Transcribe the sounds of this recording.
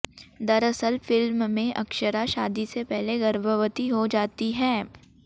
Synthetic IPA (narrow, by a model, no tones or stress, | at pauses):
d̪ɐɾɐsəlfɪlmmẽʔɐkʃəɾaʃaːd̪isepɛɦleɡɐɾbʱəʋət̪iɦod͡ʒaːt̪iɦɛː